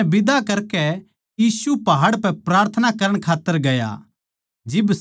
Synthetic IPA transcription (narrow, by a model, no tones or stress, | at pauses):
bɪd̪akɐɾkɛ | jiːsupɐɦaːɽpɛpɾaːɾt̪ʰənakɐɾəɽ̃kʰaːt̪ːəɾɡɐja̰ | d͡ʒɪbs